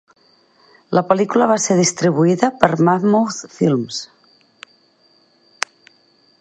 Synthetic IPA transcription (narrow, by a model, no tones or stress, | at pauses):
ləpelikulaβaseɾðist̪ɾiβuiðəpəɾmaθmowθfilms